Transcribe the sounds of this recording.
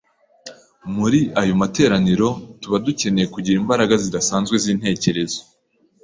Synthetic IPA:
muɾiajo̞mate̞ːɾaniɾo̞tuβaduce̞ne̞jekuɟiɾimbaɾaɡazidasaːnzɡwe̞ziːn̥he̞ːce̞ɾe̞zo̥

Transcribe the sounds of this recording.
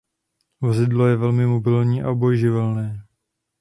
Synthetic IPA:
vozɪdlo̞jɛvɛlmɪmobɪlɲiːʔa̰obo̞jʒɪvɛlnɛː

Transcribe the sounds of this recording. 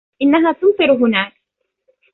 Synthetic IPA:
ʔɪnːaɦaːt̪ʊnt̪ˤɨɾɦʊnaːk̚

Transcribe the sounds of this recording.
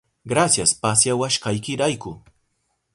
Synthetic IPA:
ɢɾasjaspasjawaʃkajkɪɾajkʊ

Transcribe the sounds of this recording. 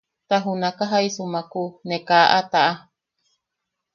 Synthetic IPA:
t̪aɦunakaɦaisumakunekaʔat̪aʔa

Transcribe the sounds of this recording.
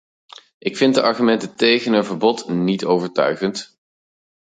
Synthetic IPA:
ʔɪkfɪnt̚dəʔɑɹχymɛntətejχənɦənvəɹbɔtnitowvəɹtœ̰ɥχənt

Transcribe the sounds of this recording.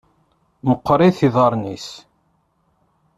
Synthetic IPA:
məqːɾˤiθiðˤɑɾˤnis

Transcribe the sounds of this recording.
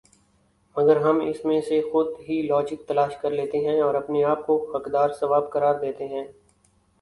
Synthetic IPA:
mɐɡəɾɦɐmɪ̰smẽsexʊd̪ɦilɔːd͡ʒɪk̚t̪ɐlaːʃkɐɾleːt̪eɦɛ̃ɔːɾɐpneaːp̚kohɐkd̪aːɾsɐʋaːbkɐɾaːɾd̪eːt̪eɦɛ̃ː

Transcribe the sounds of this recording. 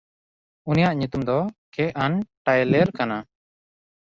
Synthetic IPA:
unijaʔɲut̪umd̪ɔkɛʔanʈajlɛɾkana

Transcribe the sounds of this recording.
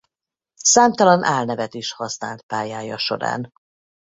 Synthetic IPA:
saːmt̪ɒlɒnʔaːlnɛvɛt̪iʃhɒsna̰ːlt̪̚paːjaːjɒʃo̞̰ɾa̰ːn

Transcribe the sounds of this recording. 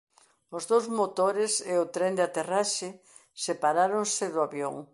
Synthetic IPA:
ʊzðowzmot̪oɾɪseʊt̪ɾend̪at̪eraʃɪ | sepaɾaɾoŋsɪðʊaβjo̰ŋ

